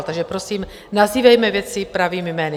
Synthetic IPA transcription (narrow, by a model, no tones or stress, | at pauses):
lt̪aɡʒɛpɾo̞siːm | naziːvɛjmɛvjɛt͡sɪpɾaviːmɪmɛːnɪ